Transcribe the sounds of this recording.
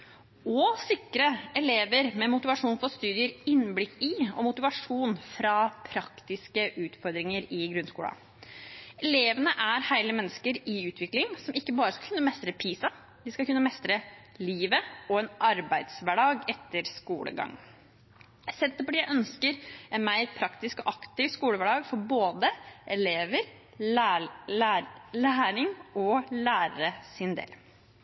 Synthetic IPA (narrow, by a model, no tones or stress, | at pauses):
ɔsɪkːɾəɛleːʋəɾmɛmʊt̪ɪʋɑʂuːnfɔst̪ʉːd̪ɪəɾɪnblɪkːɪɔ̰mʊt̪ɪʋɑʂuːnfɾɑpʰɾɑkt̪ɪskəʔʉːt̪fɔɾd̪ɾɪŋəɾɪɡɾʉnskuːlə̰ | ɛleːʋənəʔæɾhæɪləmɛnːəskəɾɪʉːt̪ʰʋɪklɪŋsɔmɪkːəbɑːɾəskɑkʰʉnːəmɛst̪ɾəpʰiːsɑ | d̪ɪskɑkʉnːəmɛst̪ɾəliːʋəɔɛnʔɑɾbæɪd̪sʋæɖɑːɡɛt̪ːəɾskṵːlʔə̰ɡɑ̰ŋː | sɛnt̪ːəpɔɖijæɪʔœnskəɾɛnmæɪɾpʰɾɑkt̪ɪskɔʔɑkt̪ɪʋskuːləʋæɖɑːɡfɔɾboːd̪əʔɛleːʋəɾ | læːɾɪŋɔlæːɾəɾəsɪnd̪ḛːl